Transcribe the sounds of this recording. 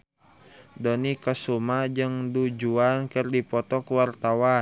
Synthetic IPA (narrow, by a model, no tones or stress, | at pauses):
dɔnikəsumad͡ʒɨŋdud͡ʒuankɨrdipɔt̪ɔkwart̪awa